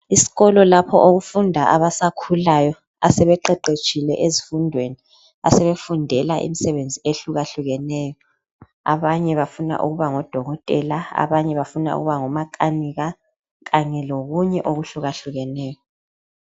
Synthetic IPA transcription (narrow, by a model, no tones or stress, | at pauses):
isi̥ɣɔlɔlapʰɔʔoɣufundʱaʔaβasakʰulajɔ | asɛβɛǃɛǃet͡ʃʼʰilɛ̰ʔezifundʱweni | a̰sɛβefundʱɛlaʔḭmisɛβend͡zʱieɬuɣaɬuɣɛnɛːjɔ | a̰βaɲɛβafuna̰ʔṵɣuβaŋɔd̥ʱɔɣɔtʼɛlaa̰βaɲɛβafuna̰ṵɣuβaŋɔmakʼaniɣa | ɣaɲɛloɣuɲɛʔoɣuɬuɣaɬuɣɛnɛːjɔ